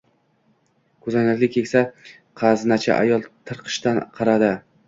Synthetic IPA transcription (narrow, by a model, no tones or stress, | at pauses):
kʰʊzanakʲlɪkʲʰːekʲsa | qʰɑznat͡ʃʰa̰ʔa̰jɒlˠt̪ʰɨɾqʰɨ̥ʃt̪anqʰɑɾad̪ɪ